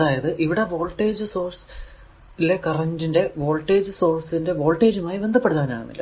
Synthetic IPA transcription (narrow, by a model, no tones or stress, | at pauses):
ɐðaːjɐðɨʔiʋiɽe̞ʋo̞ːlʈːe̞ːd͡ʑɨso̞ːrs | ile̞kɐrɐndinde̞ʋoːlʈːe̞ːd͡ʑɨso̞ːrsinde̞ʋo̞ːlʈːe̞ːd͡ʑumaːjiʋe̞nd̪ʱɐpːeɽut̪ːaːɐna̰ːɳunːḭlːɐ̰